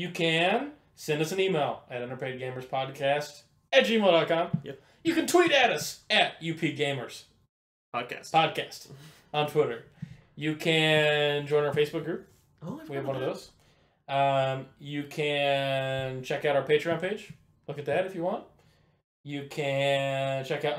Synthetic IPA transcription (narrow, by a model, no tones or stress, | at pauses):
jɨkʰɨ̃n | sɛ̃ndʌsɨ̃n̩imeɪlˠɨɾɪ̃ñə˞pʰeɪd̚ɡẽɪ̃mə˞z̥pʰɑd̚kʰæst | ɨt̚ʒ̥imeɪlˠdɑt̚kʰɑ̃m | jɨkɨ̃ntʰw̥iɾɨɾʌsɨt̚jʉpʰiɡẽɪ̃mə˞z̥ | pʰɑd̚kʰæ̰spʰɑd̚kʰæst | n̩tʰw̥ɪɾə˞ | jɨkʰɨ̃nd͡ʒɔ̃ɪ̃naə˞feɪsb̥ʊk̚ɡ̥ɹʉp̚ | wiɨvwʌ̃nʌvðoʊz̥ | ʌ̃mjɨkʰɨ̃ | nt͡ʃʰɛkaʊɾaʊə˞peɪ̥ɹãʊ̃npʰeɪd͡ʒ | lʊkɨt̪̚ðɨɾɨfjɨwɑ̃nt̚ | jɨkʰɨ̃nt͡ʃʰɛkaʊt